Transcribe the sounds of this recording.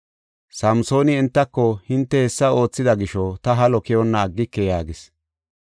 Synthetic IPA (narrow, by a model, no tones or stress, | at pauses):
sɐmso̞ːnɪɛnt̪ːɐkːɔhɪnt̪ːɛhɛsːɐo̞ːt͡sːɪd̪ɐɡɪʃɔt̪ɐɦɐlɔkɛjɔnːɐːɡːɪkːɛjaːɡɪs